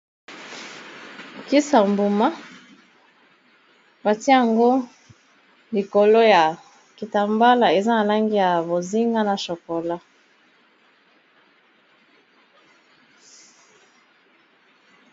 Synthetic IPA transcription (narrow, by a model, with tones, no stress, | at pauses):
ki˦sa˨mbu˨ma˦ | ba˨ti˦a˦ja˨ŋɡo˦ | li˨ko˨lo˦ja˨ | ki˨ta˨mba˦la˨e˨za˦na˨la˦ŋɡi˦ja˨bo˨zi˦ŋɡa˦na˨ʃo˨ko˨la˦